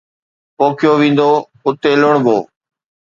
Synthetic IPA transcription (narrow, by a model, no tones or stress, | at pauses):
poːkʰjoːʋĩːnd̪oː | ʊt̪eːləɳbʱo̰ː